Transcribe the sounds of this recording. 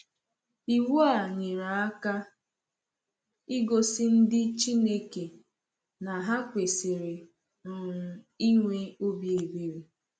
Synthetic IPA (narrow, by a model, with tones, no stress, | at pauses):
i˨wu˦a˨ɲɪ˨ɾa˨a˦ka˦ | ɪ˦ɡo˨sɪ˦n̩˦dɪ˦t͡ʃi˦ne˦ke˨ | na˨ɦa˦kʷe˨se˨ɾe˨ | nɔ˨ɾʊ˨ | i˦ŋʷe˦o˦bje˨be˦ɾi˨